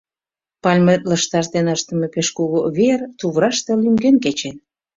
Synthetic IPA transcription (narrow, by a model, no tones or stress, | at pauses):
pɑlʲmet̪ləʃt̪ɑrt̪enəʃt̪ə̆mepeʃkuɣoβert̪uβɾɑʃt̪elymɡenk̬et͡ɕen